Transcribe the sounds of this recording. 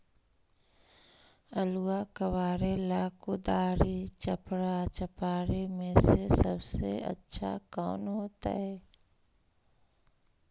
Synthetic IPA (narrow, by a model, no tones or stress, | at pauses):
əluakəʋaːɾelaːkud̪aːɾit͡ʃəpɽat͡ʃəpaːɾemẽsesəbsḛə̰tːʃʰa̰kɔːnɦoːt̪a̰ɦɛː